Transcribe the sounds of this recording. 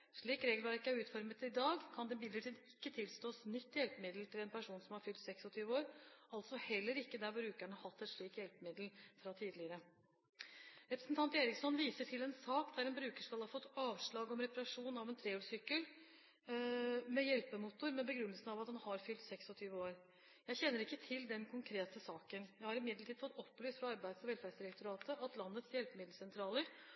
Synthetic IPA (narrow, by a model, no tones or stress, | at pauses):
ʂɭiːkɾeːɡlʋɑɾɪkːəæɾʉːt̪fɔɾmət̪ɪd̪ɑːɡkʰɑnd̪ɛbɪd̪əʈʰiːd̪ɪkːət̪ʰɪlst̪oːsnʏt̪ːɪjɛlpəmɪd̪l̩t̪ʰɪlɛnpʰæʂuːnsɔmhɑɾfʏlt̪sɛksɔt̪ʰyːʋəoːɾɑlt̪sɔhɛlːəɾɪkːəd̪æɾbɾʉːkæɳəhɑt̪ːɛt̪ʂɭiːkjɛlpəmɪd̪l̩fɾɑt̪ʰiːd̪lɪəɾə | ɾɛpɾəsn̩t̪ʰɑnt̪eːɾɪksɔnʋiːsəʈʰɪlɛnsɑːkd̪æɾɛnbɾʉːkəʂkɑlhɑfɔt̪ːɑːʋʂɭɑːɡɔmɾɛpɑɾɑʂuːnɑʋɛnt̪ʰɾeːuːsʏkːəl | mɛjɛlpəmut̪ʊɾmɛnbəɡɾʉnːəlsən̩ɑʋɑt̪hɑnhɑɾfʏlt̪sɛksɔt̪ʰyːʋəoːɾ | jæɪçɛnːəɾɪkːət̪ʰɪld̪ɛnkʰʊŋkʰɾeːt̪əsɑːkənjæɪhɑɾɪmɪd̪ləʈʰiːd̪fɔt̪ːɔpːlyːst̪fɾɑɑɾbæɪd̪sɔʋɛlfæɖsd̪ɪɾɛkt̪ʊɾɑːt̪əʔɑt̪lɑnːət̪sjɛlpəmɪd̪l̩sɛnt̪ʰɾɑːləɾ